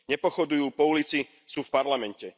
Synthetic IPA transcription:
ɲɛpɔxɔd̪ujuːpɔulit͡si | suːfpaɾlamɛncɛ

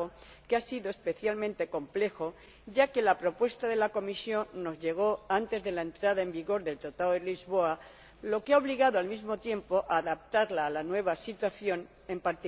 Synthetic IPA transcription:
o | keasiðo̞espe̞θjalmẽnt̪e̞ko̞mple̞xo̞ | ɟ͡ʝake̞lapɾo̞pwe̞st̪aðe̞lako̞misjo̞nːo̞zʎe̞ɣ̞o̞ant̪e̞zðe̞lae̞nt̪ɾaðae̞mbiɣo̞ɾðe̞lt̪ɾat̪aðoðelizβo̞a | lo̞keaoβliɣaðoalmizmo̞t̪je̞mpo̞ʔaːðap̚t̪aɾlaːlanwe̞β̞asit̪waθjo̞n | e̞mpaɾt̪i

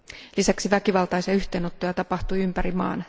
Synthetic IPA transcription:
lisæksiʋækiʋɑlt̪ɑjsiɑyht̪e̞ːno̞t̪ːojɑt̪ɑpɑht̪uiympæɾimɑ̰ːn

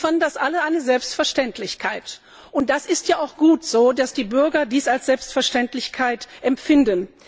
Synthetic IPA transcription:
fɐndasʔaləʔaɪnəzɛlpstfɛɐʃtɛntʰlɪçkʰaɪt | ʔʊnt̚d̥asɪstjaːaʊxɡ̥uːtz̥oːdasd̥iːbʏɐɡɐdiːsalsz̥ɛlpstfɛɐʃtɛntlɪçkʰaɪtʔɛmfɪndən

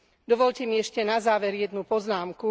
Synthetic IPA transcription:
d̪ɔʋɔʎcɛmiɛʃcɛnazaːʋɛɾjɛd̪nupɔznaːmku

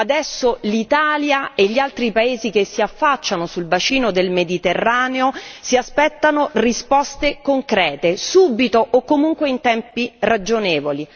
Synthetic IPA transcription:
ad̪ɛsːolit̪aːljaeʎːialt̪ɾipaeːzik̟esːiafːat͡ʃːanosulvat͡ʃiːnod̪elmed̪it̪erːaːneosiaspɛt̪ːanorispɔst̪ekoŋkɾɛːt̪esubit̪oʔːkːomuŋkweint̪ɛmpirad͡ʒoneːvoli

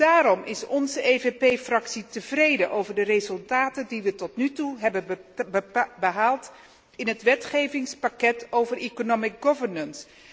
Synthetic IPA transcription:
d̥aːɾɔmʔɪ̰sɔnzəʔeːvepejfrɑksitəvrejdənʔowvəɹdərezɵlˠtaːtədiʋətɔtnytuɦɛbə | bəɦaːlˠt | ɪnətʋɛtχejvɪŋspakɛtowvərekonomɪk̚ɡɔvəɹnəns

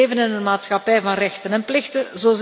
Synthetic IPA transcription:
vənɪnənmaːtsxɑpɛjvɑnrɛxtənɛnplɪxtənzoːz

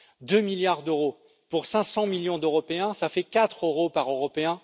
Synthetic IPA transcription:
d̪ømiljaʁd̪øʁo | puʁsɛ̃sɑ̃miljɔ̃d̪øʁɔpeɛ̃safɛkat̪χøʁopaʁøʁɔpeɛ̃

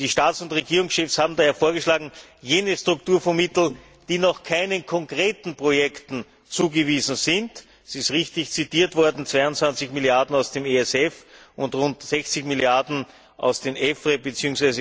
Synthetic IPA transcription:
d̥iːʃtaːtsʊntʁeɡiːʁʊŋsʃɛfshaːbm̩daːheːɐfoːɐɡəʃlaːɡŋ̩jeːnəstʁʊktuːɐfomɪtl̩ | d̥iːnɔχkʰaɪnənkʰɔŋkʁ̥eːtn̩pʁ̥ojɛktn̩ | t͡suːɡəviːzn̩zɪnt | ɛsɪstʁɪçtɪçt͡sitiːɐtv̥ɔɐdn̩t͡sv̥aɪʊntt͡sv̥ant͡sɪçmiljaɐdn̩aʊsd̥eːmeɛsɛfʔʊntʁʊntz̥ɛçt͡sɪçmiljaɐdn̩ | ʔa̰ʊsd̥eːmʔɛfʁebət͡siːʊŋsvæɪzə

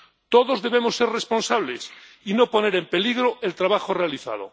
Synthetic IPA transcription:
t̪oðo̞zðe̞β̞emosːe̞ɾrespo̞nsaβles | inopo̞ne̞ɾempe̞liɣɾoʔe̞lt̪ɾaβaxorealiθa̰ð̞o̰

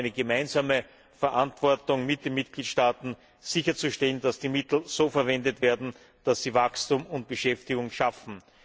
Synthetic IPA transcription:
ɪnəɡəmaɪnzaːmə | fɛɐʔantv̥ɔɐtʊŋmɪt̚d̥eːnmɪt̚ɡ̥liːtʃtaːtn̩ | z̥ɪçɐt͡suʃtɛlənd̥asd̥iːmɪtl̩z̥oːfɛɐvɛndətveːɐdn̩ | d̥asːiːvakstuːmʊnt̚b̥əʃɛftɪɡʊŋʃafn̩

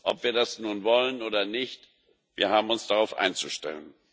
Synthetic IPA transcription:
ʔɔ̰pv̥iːɐdasnuːnvɔlənʔoːdɐnɪçt | v̥iːɐɦaːbm̩ʊnsd̥aʁaʊfʔa̰ɪnt͡suʃtɛ̰lən

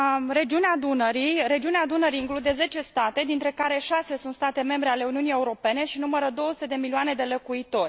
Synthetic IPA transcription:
ɾe̞d͡ʒiunead̪unəɾiɾe̞d͡ʒiunead̪unəɾiːŋklud̪e̞ze̞t͡ʃe̞st̪at̪e̞d̪int̪ɾe̞kaɾe̞ʃase̞sunt̪st̪at̪e̞me̞mbɾe̞ale̞uniunije̞uɾo̞pe̞ne̞ʃinuməɾəd̪o̞osu̥t̪ed̪emilioane̞d̪e̞lokuit̪o̞rʲ

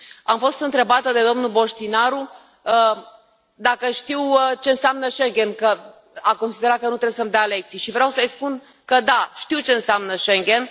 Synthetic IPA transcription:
amfo̞st̪ɨnt̪ɾe̞bat̪əd̪e̞d̪o̞mnulbo̞ʃt̪inaɾu | ə | d̪akəʃt̪iwət͡ʃe̞ɨnsamnəʃe̞ŋɡʲe̞nkə | ako̞nsid̪e̞ɾat̪̚kənut̪ɾe̞besəmd̪eale̞k̚t̪sijʃivɾeawsəjspun | kəd̪aʃt̪iwt͡ʃe̞ɨnseamnəʃeŋɡʲe̞n

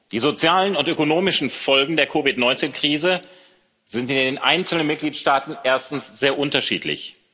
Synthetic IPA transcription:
d̥iːzot͡sjaːlənʊntʔøkonoːmɪʃn̩fɔlɡŋ̩deːɐkʰovɪtnɔʏnt͡seːnkʁ̥iːzə | z̥ɪntɪndeːnʔa̰ɪnt͡sl̩nənmɪt̚ɡ̥liːtʃtaːtn̩ʔeːɐstn̩sz̥eːɐʔʊntɐʃḭːtʰlɪ̰ç

